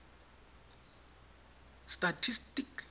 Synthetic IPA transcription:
statʰistik

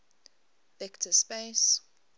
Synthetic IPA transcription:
vɛktʰəspes

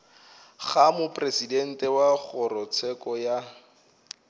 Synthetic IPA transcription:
ɣχamʊpresidɛn̩tɛwaɣʊrɔt͡sʰɛkɔja

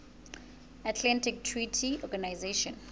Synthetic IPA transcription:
atʰlãntik̚tʰɹitʰiɔɡanajzeʃɔ̃n

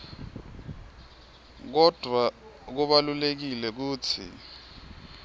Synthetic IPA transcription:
k̬ɔd̥ʱwak̬uɓalulek̬ilɛk̬uːtʰḭ

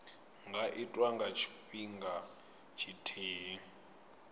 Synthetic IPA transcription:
ŋɡaʔitʼwaŋɡat͡ʃʰi̥ɸiŋɡa | t͡ʃʰitʰeː

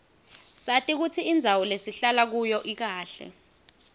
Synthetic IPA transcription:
satʼik̬ut͡sʰiːnd͡zʱawɔlesiɬalak̬ujɔʔik̬aːɬɛ̰

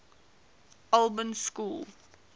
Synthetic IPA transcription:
alˠbə̃mskuːl

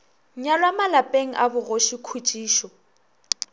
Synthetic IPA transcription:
ŋ̩ɲalwamalapʼeŋ̩ʔabʊɣoʃikʰut͡ʃʼiːʃɔ

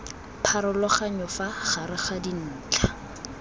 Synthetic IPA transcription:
pʰaɾɔlɔχaɲɔfaχaɾɪχadin̩ːt͡ɬʰa

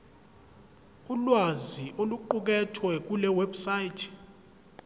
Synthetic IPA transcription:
ulwaziʔoluǃuk̬ɛtʰwɛk̬ulɛwɛbsajitʰ

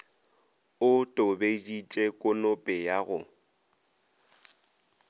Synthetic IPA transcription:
ʊtʼʊbedit͡ʃʼɛkʼʊnʊpʼɪjaɣʊ̰

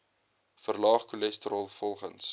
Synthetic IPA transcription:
fərlɑːχkulɛstəɾɑːlˠfɔlˠχə̰ns

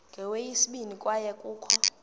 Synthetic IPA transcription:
ŋɡʱɛwejisiɓinikʼwajɛkʼuːkʰɔ

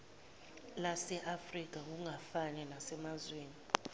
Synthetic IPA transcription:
lasɛʔafrik̬ʼak̬uŋafanɛnasɛmazweːni

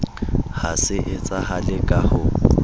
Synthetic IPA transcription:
hasɪʔɪt͡sʼahalɪkʼahʊ

